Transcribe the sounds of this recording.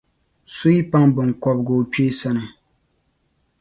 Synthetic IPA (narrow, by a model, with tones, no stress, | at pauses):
so˦i˦pa˦ŋbɨ˨ŋ̩kɔ˨b̚ɡoː˨t͡ʃe˦sa˦nɨ˨